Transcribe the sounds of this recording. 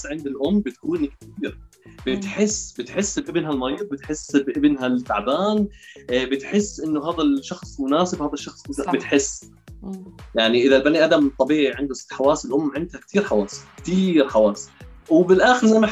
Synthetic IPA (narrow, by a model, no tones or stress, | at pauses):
ʕɪnd̪ɪlʔʊmːbɪt̪̚kuːnik̚t̪iːɾ | b̥ɪt̪ħɪsːbɪt̪ħɪsːbʔɪbnɦalmɑɾiːð̚ˤbɪt̪ħɪsbʔɪbnɦalk̪a̰ʕbaːnbɪt̪ħɪsːʔɪnːʊɦaːðalʃɑxsˤmʊnaːsɪbhaːðaʃːɑxsˤbɪt̪ħɪsː | jaʕniʔɪðalbaniʔad̪amt̪ˤːɑbiːʕiʕɪnd̪ʊsɪ̥t̪ːħawaːsɪlʔʊmːʕɪnd̪hakt̪ʰiːɾħawaːskt̪iːɾħawaːswɪbɪlʔaːxɪɾzamːa